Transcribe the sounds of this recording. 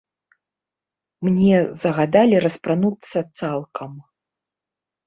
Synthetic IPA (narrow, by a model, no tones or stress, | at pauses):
mnʲɛzɐɣad̪alʲiɾɐspɾanut̪sːɐt̪salˠkʰɐm